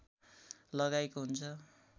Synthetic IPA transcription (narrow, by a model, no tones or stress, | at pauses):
lʌɡajkoɦunt͡sʰʌ